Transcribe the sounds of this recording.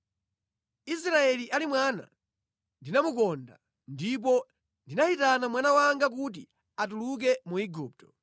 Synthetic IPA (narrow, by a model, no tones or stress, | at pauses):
is̬ɾaɛliʔalimwana̰ | ndinamukɔnda̰ | ndip̬ɔ | ndinaitanamwanawaŋɡak̬uti | atuluk̬ɛmuiɡuːp̚tɔ̥